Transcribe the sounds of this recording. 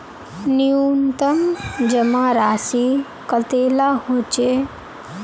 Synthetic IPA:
niunt̪əmd͡ʒəmãɾaːsi | kət̪elaɦot͡ʃe

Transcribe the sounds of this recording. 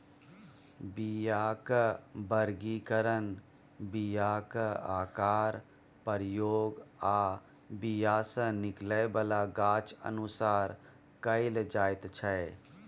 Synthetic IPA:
bijaːkbəɾɡikəɾən | bijaːkaːkaːɾ | pəɾjoːɡaː | bijaːsə̃nɪkləbəlaɡaːt͡ʃə̰nusaːɾ | kəɪld͡ʒaːjt̪t͡ʃʰəe

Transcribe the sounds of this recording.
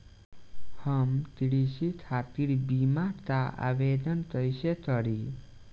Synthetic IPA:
həmt̪iɽiɕit̪ʰat̪iɽbimaɾt̪aa̰ʋed̪ənt̪əjɕet̪əɽi

